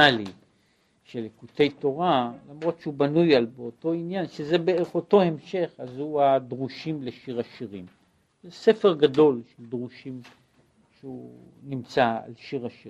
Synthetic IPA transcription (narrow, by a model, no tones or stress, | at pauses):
ali | ʃelekut̪e̞jt̪o̞ʁalamʁo̞t̪ʃeubanujalbeoto̞injanʃezebeeχoto̞he̞mʃe̞χazhuad̪ʁuʃimle̞ʃiʁaʃiʁim | zesefeʁɡado̞lʃeld̪ʁuʃim | ʃeu | nimt͡saa̰lʃiʁaʃi